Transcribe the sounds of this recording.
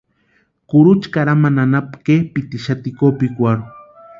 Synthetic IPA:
kʊɾut͡ʃkaɾamananapkepit̪iʃat̪ikopikʷaɾʊ

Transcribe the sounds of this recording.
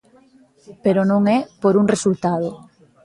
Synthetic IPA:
peɾonõŋɛpoɾuŋresult̪aðo

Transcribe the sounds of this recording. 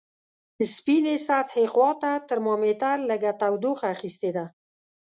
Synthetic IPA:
əspinesat̪heqwɑt̪at̪əɾmɑmet̪aɾləɡat̪awd̪oxaːxist̪ed̪a

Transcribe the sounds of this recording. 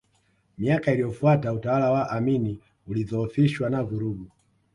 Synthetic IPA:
miakailijɔfuatautawalawaʔamini | uliðɔːfiʃwanavuɾuɡu

